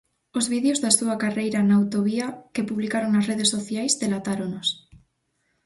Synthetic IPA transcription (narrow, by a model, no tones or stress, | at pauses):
ozβiðeozðasuakarejɾanaːwt̪oβiakepuβlikaɾoŋnasreð̞esːoθjajzðelat̪aɾonos